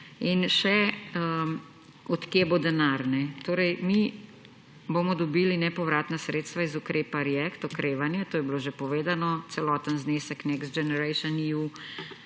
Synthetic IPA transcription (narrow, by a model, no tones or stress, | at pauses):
inʃɛə | ɔt̪kjebod̪ɛnaɾnɛt̪oːɾɛjmi | boːmɔd̪ɔbiːlinɛpɔʋɾaːt̪nasɾeːt̪st̪ʋaizukɾeːpaɾjɛkt̪ɔkɾeːʋanjɛt̪oːjɛbiloːʒepɔʋeːd̪anɔt̪sɛlɔːt̪ənzneːsɛknɛksd͡ʒɛnɛɾɛjʃɔniu